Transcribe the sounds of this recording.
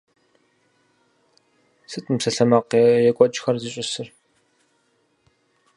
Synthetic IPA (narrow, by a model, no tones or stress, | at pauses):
sɨtʰʼɨmsɐɬɐmɐqjɛkʷʼɔt͡ʃʼxɐrziɕʼɪsɨr